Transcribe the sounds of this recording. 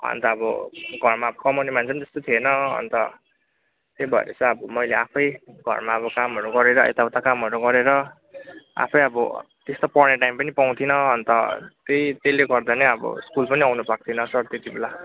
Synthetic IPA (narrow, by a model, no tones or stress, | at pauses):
ʌ̰nt̪ʌːbʌ̰ɡʱʌrmaʌbʌkʌmonemant͡sʰʌnit̪ʌ̥st̪ot̪ʰienʌɦʌ̰nt̪ʌ | t̪ebʱʌḛɾʌ̰t͡sʌʌbʌmʌjleapʰʌjɡʱʌ̰rmaʌbʌkamɦʌɾuɡʌɾeɾʌʔḛt̪awt̪akamɦʌɾuɡʌɾeɾʌ | a̰pʰʌjʌbʌ̰ | t̪est̪opʌrneʈajmpʌnipaw̃t̪ʰinʌɦʌnt̪ʌt̪ejt̪eleɡʌrd̪anʌʌbʌ̰skulpʌniawnupak̚t̪ʰinʌsʌrt̪et̪ibela